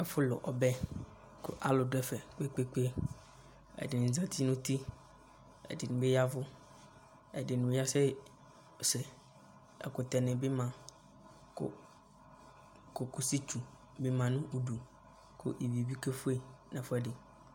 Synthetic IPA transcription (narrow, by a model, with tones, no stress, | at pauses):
ɛ˦fʊ˦lʊ̰˨ʔɔ˨bɛ˦ | kʊ̰˦ʔa˦lʊ˨dʊ˦ɛ˨fɛ˨k͡pe˦k͡pe˦k͡pe˦ | ɛ̰˨dɪ˨nʊ̃˨zã˨t̪ʰi˦nʊ̃˦t̪i˦ | ɛ̰˨dɪ˨nʊ̃˨be˦ja˦vʊ˦ | ɛ˨dɪ˨nʊ̃˨˦ja˦sɛ˦˨ | sɛ˨ | ɛ̰˨kʊ˨t̪ɛ˨nɪ̃˨bɪ˦mã˨ | kʊ̰˦ | kʊ˨ku˨si˦t͡ʃu˨ | be˦mã˨nʊ̃˦ʔu˦ɖu˨ | kʊ̰˦ʔi˨bi˨bi˦ke˦fʊ˦e˨nɛ̃˨fʊ˦ɛ˦dɪ˨